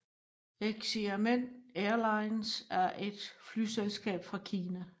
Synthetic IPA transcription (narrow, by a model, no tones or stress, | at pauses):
eɡ̥siæmen̰eɐlɑ̈ɪnsæɐʔe̝d̥flyselsɡ̥ɛ̰ːb̥fʁɑ̈kʰiːnæ